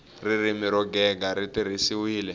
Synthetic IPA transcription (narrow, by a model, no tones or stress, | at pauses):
riɾimiɾɔɡɛɡaɾitiɾisiwiːlɛ